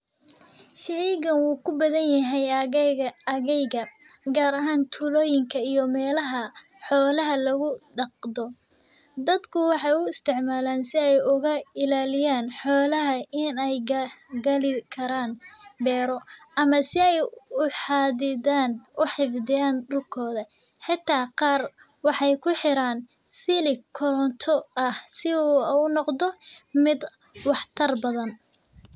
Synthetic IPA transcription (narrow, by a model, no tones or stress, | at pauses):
ʃɪʕiɣɐnwuːkʰʊbɐðɐnjɐɦɛj | ɣɛjɣɐ | ɡaːɾɐɦaːnt̪ʰʊlɔːjɪŋkʰɐijɔmɛːlɐɦɐ | ħɔːlɐɦɐlɐɣʊɖɑq̚d̪ɔ | d̪ɐd̪kʰʊwɑħɑjʊɪst̪ʰɪʕmaːlaːnsɪɛjʊɣɐɪlaːlɪjaːnħɔːlɐɦɐʔɪnɛjɡɐlɪkʰɐɾaːnbɛːɾɔʔɐmɐsɪɛjʊħɑːðɪðaːnʊħɪfd̪ɪjaːnd̪ʊlkʰɔːðɐ | ħɪt̪ʰːaːqɑːr | wɑħɑjkʰʊħɪɾaːn | sɪlɪkʰɔɾɔnt̪ʰɔɐhsɪunɔqd̪ɔmɪd̪ | wɑħt̪ʰɐrbɐðɐn